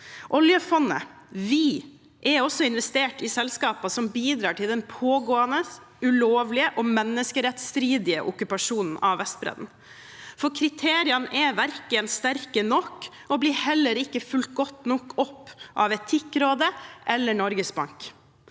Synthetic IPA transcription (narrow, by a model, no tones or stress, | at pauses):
ʔɔljəfɔnːə̰ | ʋi | ʔɛɾɔsːɔɪnʋɛst̪eːʈɪsɛlskɑːpɑsɔmbiːd̪ɾɑːʈʰɪld̪ɛnpʰoːɡoːənə | ʉloːʋlɪəʔɔmɛnːəskəɾɛt̪st̪ɾiːd̪ɪə̰ʔʊkʉpɑʂuːnn̩ʔɑʋʋɛst̪̚bɾɛ̰d̪n̩ | fɔɾkʰɾɪt̪ʰeːɾɪɑnəʔɛɾʋæɾklɪənst̪æɾkənɔkː | ɔbliːɾhɛlːəɾɪkːəfʉlt̪̚ɡɔt̪nɔkːɔpːʔɑʋɛt̪ʰɪkːɾoːd̪əʔɛlːəɳɔɾɡəsbɑ̰ŋk